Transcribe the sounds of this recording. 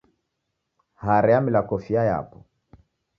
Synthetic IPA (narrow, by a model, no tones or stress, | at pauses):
haɾɛamilakɔfiaja̰pɔ